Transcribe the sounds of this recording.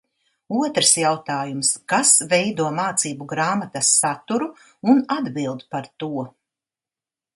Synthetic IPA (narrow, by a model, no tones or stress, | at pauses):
uɔt̪ɾsjawt̪aːjumskasvɛjd̪uɔmaːt̪siːbuɡɾaːmat̪ɐsːat̪uɾu | unad̪bilˠd̪paɾt̪uɔ